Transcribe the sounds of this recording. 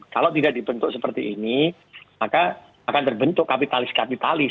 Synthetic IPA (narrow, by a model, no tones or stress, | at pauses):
kalawt̪idaʔ̚dibənt̪ʊk̚səpərt̪iʔːni | maka | akant̪ərbənt̪ʊkkapit̪alɪskapit̪alɪ